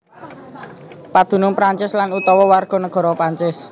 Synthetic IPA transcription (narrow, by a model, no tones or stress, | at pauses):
pad̪̥ṳnʊŋpɾaɲt͡ʃɪslanut̪ɔwɔwarɡ̥ɔ̤nəɡ̥ɔ̤ɾɔpɾaɲt͡ʃɪs